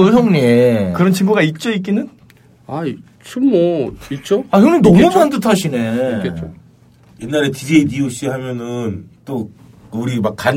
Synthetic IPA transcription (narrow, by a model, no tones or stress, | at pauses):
ɯsʰʌŋɲiekɯɾʌnt͡ɕimbuɡait̚t͡ɕ͈oik̬͈inɯn | a | t͡ɕomːʌit̚t͡ɕ͈oakɯnenʌmumantɯtʰaɕʰine̞et͡ɕo̰ | jenːaɾetid͡ʑeidioɕ͈iɦamjʌnɯnt͈o | uɾimak͈ːan